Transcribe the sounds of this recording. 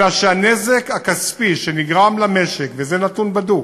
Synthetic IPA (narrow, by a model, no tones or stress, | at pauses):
aʃeanezekhakaspiʃeniɡʁamlame̞ʃekvezenat̪unbadu